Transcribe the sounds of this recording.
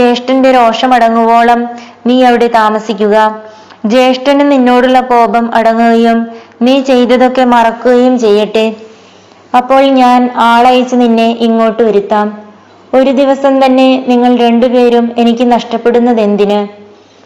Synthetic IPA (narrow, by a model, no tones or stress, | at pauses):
d͡ʑe̞ːʂʈɐnde̞ɾo̞ːʂɐmɐɽɐŋːubo̞ːɭɐmniːɐʋiɽe̞t̪aːmɐsikʲːuɣɐ | d͡ʑe̞ːʂʈɐnninːo̞ːɽuɭːɐpo̞ːbɐmɐɽɐŋːuɣɐjumniːt͡ɕe̞jt̪ːɐðo̞kːe̞mɐrɐkːuɣɐjumt͡ɕe̞jːiʈːɨ | ɐpːo̞ːɭɲaːnaːɭɐjɐt͡ɕːɨninːe̞ʔiŋːo̞ːʈːɨʋɐɾut̪ːaːm | o̞ɾud̪iʋɐsɐmt̪ɐnːe̞niŋːɐɭɾe̞ɳɖupe̞ːɾume̞nikʲːɨnɐʂʈɐpːe̞ɽunːɐðe̞nd̪inɨ